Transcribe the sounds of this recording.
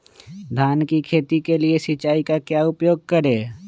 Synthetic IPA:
d̪ʱaːnkikʰeːt̪ikeliesɪt͡ʃaːikakjaʊpjoːɡ̚kəɾeː

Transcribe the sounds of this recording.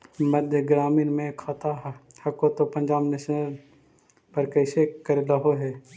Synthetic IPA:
məd̪ʱjəɡɾaːmiːnmẽkʰaːt̪aɦ | hɐkot̪opə̃nd͡ʒaːbneʃnəɾ | pəɾkəɪsekəɾelaɦoɦɛː

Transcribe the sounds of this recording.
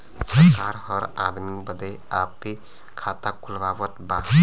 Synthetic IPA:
səkaɾhəɾad̪mibəd̪əj | ape | kʰat̪akʰulbaʋət̪ba

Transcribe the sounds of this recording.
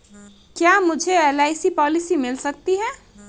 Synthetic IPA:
kjamʊd͡ʒʱeelaːɪsipɔːlɪsimɪlsɐk̚t̪iɦɛ̃ː

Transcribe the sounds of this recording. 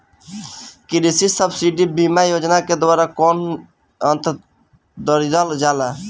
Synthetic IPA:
kiɾisisəbsiɖibimajod͡ʒnaked̪ʋaɾakɔn | ənt̪ | d̪əɾid̪əld͡ʒala

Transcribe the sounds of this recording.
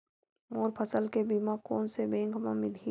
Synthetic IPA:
moːɾpʰəsəlkebimãkoːnsebẽːŋɡʱmã̰mɪlɦi

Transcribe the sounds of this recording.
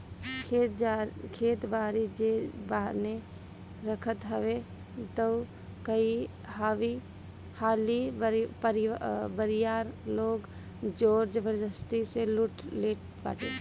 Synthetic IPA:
kʰeːt̪baːɾid͡ʒebane | ɾəkʰət̪ɦəʋe | t̪ə | kəi | haʋi | haːlipəɾbəɾijaːɾloːɡ | d͡ʒoːɾd͡ʒəbəɾd͡ʒəst̪iseluʈʰleːʈ | ba̰ːʈḛ

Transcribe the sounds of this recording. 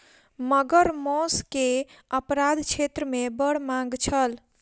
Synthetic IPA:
məɡəɾmɔskeəpɾad̪ʱt͡ʃʰet̪ɾəmebəɽ̤mãŋɡt͡ʃʰəl

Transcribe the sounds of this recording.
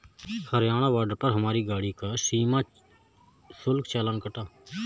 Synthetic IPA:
həɾjaːɽ̃aːʋaːɖpəɾɦəmaːɾiːɡaːɽiːkaːsiːmaː | sʊlkt͡ʃaːlaːnkəʈaː

